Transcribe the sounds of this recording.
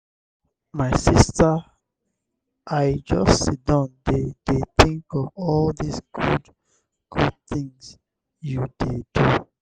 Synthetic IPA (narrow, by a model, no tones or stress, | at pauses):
maɪsistə | ʔaɪd͡ʒʌstsidɔ̃ndedeθĩŋkɔvɔldisɡ̥ud | ɡ̥ud̚θĩŋz | judedu